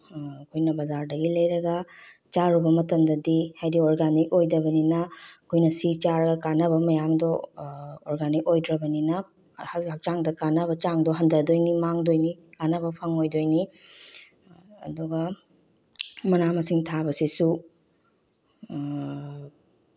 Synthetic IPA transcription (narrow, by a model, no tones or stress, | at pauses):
kʰojnɐbɐzaɾdɐɡilɐjɾɐɡɐt͡ʃaɾubɐmɐtɐmdɐdihajdioɾɡanik̚ojdɐbɐninɐɐkʰojnɐsit͡ʃaɾɐɡɐkanɐβɐmɐjamdɔː | ɾɡanik̚ojdɾɐbɐninɐ | hak̚t͡ʃaŋdɐkanɐbɐt͡ʃaŋdɔɦɐndɐdojnimaŋdojnikanɐbɐpʰɐŋojdojni | duɡɐ | mɐnamɐsiŋtʰabɐsisu